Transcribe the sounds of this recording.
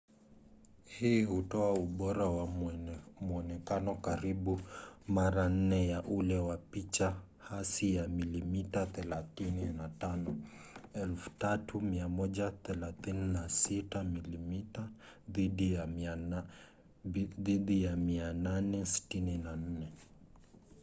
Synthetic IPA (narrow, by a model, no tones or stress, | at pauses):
hiːhutɔauɓɔɾawa | muɔnɛkanɔkaɾiɓumaɾan̩nɛjaʔulɛwapit͡ʃa | hasijamilimitaθɛlaθininatanɔɛlfu̥tatumiamɔʄaθɛlaθininasitamilimita | ðiɗija | ðiɗijamiananɛsi̥tininan̩nɛ